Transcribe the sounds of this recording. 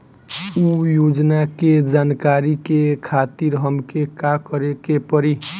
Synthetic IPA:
ujod͡ʒnaked͡ʒankaɾikekʰat̪iɾɦəmkekakəɾekepəɾi

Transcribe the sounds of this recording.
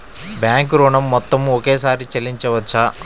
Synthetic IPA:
bjaːŋkɾoːɳɐmːɔt̪ːɐmɔkeːsaːɾit͡ʃelːiɲt͡ʃɐʋɐt͡ʃːa

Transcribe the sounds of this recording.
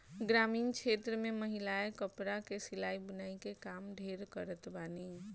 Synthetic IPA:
ɡɾaːmiːnkʃʰet̪ɾəmẽməɦilaekəpɾakesilaːibənaikekamɖʱeɾkəɾət̪bani

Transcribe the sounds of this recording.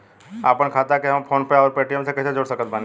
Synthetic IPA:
a̰ːpəɳ̃kʰaːt̪akeɦɐmpʰoːnpeaɔːɾpeːʈijəmsekəsed͡ʒoːɽsəkət̪̚bʱãn

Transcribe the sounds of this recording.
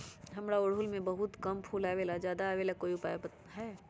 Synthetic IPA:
ɦɐmɾaʊɽɦʊlmẽbɐɦʊt̪kɐmpʰuːlaːʋeːlad͡ʒjaːd̪aːʋeːlakoːiʊpaːjbət̪ɦɛː

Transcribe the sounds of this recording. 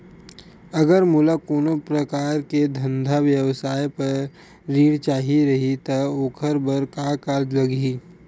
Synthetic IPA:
ɐɡəɾmulakoːnopɾəkaːɾked̪ʱɐ̃nd̪ʱaʋjəwsaːjpɐɾ | ɾiːɽt͡ʃaːɦiɾɐɦit̪ɐoːkʰəɾbəɾkakaːɾd͡ʒlɐɡiː

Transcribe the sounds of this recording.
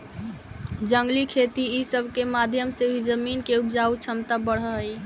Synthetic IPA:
d͡ʒəŋɡlikʰet̪iisəbʱkemad̪ʱjəmsebʱid͡ʒəminkeupd͡ʒaut͡ʃʰəmt̪abəɽ̤ɦəɦəi

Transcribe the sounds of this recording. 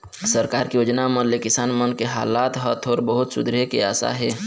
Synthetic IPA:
səɾkaːɾkijoːd͡ʒnaməlekɪsaːnmənkeɦa̰ːlaːt̪ɦət̪ʰoːɾbəɦʊt̪sʊ̰d̪ɾijekeaːsa̰ɦɛː

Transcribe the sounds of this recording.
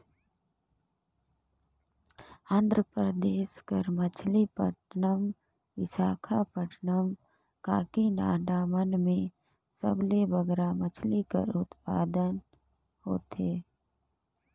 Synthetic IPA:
ãːnd̪ʱɾəpɾəd̪eːʃkəɾmət͡ʃʰlipə̰ʈʰnəm | ʋɪsaːkʰapəʈʰnəm | ka̰ːkinaːɖaːmənmẽ | sə̰blebəɡɾamət͡ʃʰlikə̰ɾʊt̪paːd̪ən | ho̰ːt̪eː

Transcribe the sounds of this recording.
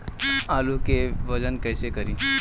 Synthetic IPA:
alukeʋəd͡ʒənkəjsekəɾĩ

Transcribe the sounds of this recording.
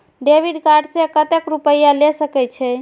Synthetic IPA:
ɖebiɖkaɖsẽkət̪ekɾupəjalesəkɛt͡ʃʰɛ

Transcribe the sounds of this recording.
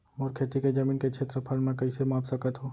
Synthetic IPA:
moːɾkʰeːt̪iked͡ʒɐmiːnkekʃʰeːt̪ɾəpʰɐlmẽkɐisemaːpsəkət̪ɦoː

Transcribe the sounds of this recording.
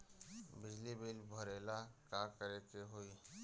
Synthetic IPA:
bɪd͡ʒlibilbʱəɾeːlakaːkəɾekeɦoi

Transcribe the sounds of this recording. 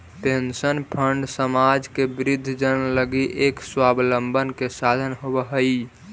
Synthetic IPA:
pensənpʰəɳɖsəmad͡ʒkebɾid̪ʱːd͡ʒənləɡiʔekswabləmbʱənkesad̪ʱənɦobəɦəi

